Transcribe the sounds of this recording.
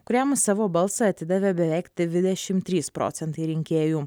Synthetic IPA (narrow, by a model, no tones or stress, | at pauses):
kʊɾʲæmsɑːʋoːbɐlˠsɐɐt̪ʲɪd̪ɐʋʲebʲɛʋʲɛˑɪkt̪ʲʋʲɪd̪ʲɛʃʲɪmt̪ʲɾʲiːspɾo̰ːt̪sʲɛnt̪ɐɪɾʲɪŋʲkʲeːjuː